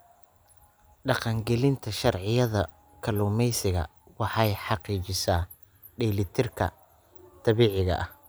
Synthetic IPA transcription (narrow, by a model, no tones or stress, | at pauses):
ɖɑqɑŋɡɛlɪnt̪ʰɐʃɑrʕɪjɐðɐ | kʰɐluːmɛjsɪɣɐ̰ | wɑħɑjħɑqiːt͡ʃɪsaː | ɖiːlɪt̪ʰɪrkʰɐ̰ | t̪ʰɑβiːʕɪɣɐ̰ʔɐh